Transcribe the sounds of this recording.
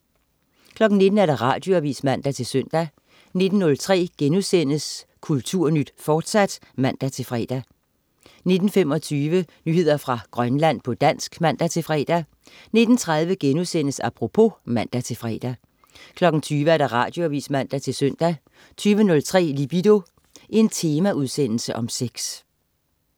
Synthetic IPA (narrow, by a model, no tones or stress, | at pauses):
kʰlɒ̽ɡ̥n̩ne̝d̥n̩æɐɾ̥ɑ̈ʁɑ̈ːd̥jo̝æʋḭːsd̥mæn̰d̥æt͡sʰe̝lsœn̰d̥æ | ne̝d̥n̩ːɔ̽lt͡sʰʁɛ̰ːɡ̥enuðˠsen̰əskʰult͡sʰuɐ̰nyd̥fɒːd̥sæd̥ | mæn̰d̥æt͡sʰe̝lfʁɛ̰d̥æ | ne̝d̥n̩fem̰ɒ̽t͡sʰyːʋənyhe̝ð̞̰ˠɐfʁɑ̈ɡ̥ʁɶnlæn̰pʰɒ̽d̥æn̰sɡ̥mæn̰d̥æt͡sʰe̝lfʁɛ̰ːd̥æ | ne̝d̥n̩t͡sʰʁɑ̈ð̞ˠʋəɡ̥enuðˠsen̰əsɑpʰʁo̝pʰo̝mæn̰d̥æt͡sʰe̝lfʁɛ̰ːd̥æ | kʰlɒ̽ɡ̥n̩t͡sʰyːʋəæɐɾ̥ɑ̈ʁɑ̰̈ːd̥joæʋḭːsmæn̰d̥æt͡sʰe̝lsœn̰d̥æ | t͡sʰyːʋənɔ̽lt͡sʰʁɛ̰ːlib̥id̥o̝ | ʔe̝nt͡sʰe̝ːmæuðˠsen̰l̩səʔɒ̽mseɡ̥s